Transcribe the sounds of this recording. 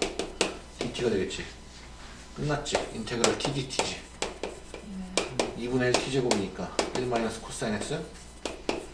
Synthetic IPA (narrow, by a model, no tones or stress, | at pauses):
titʰiɡadweɡet̚t͡ɕ͈i | kɯnːat̚t͡ɕ͈ḭintʰeɡɯɾɯtʰiɡitʰi̥d͡ʑi | ibunetʰid͡ʑibomiɲik͈ailmajinʌs͈ʰɯ̥kʰos͈aines͈ɯ